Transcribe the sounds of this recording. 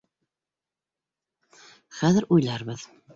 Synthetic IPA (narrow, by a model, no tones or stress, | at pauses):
χæðɘɾujlˠɑɾbɤð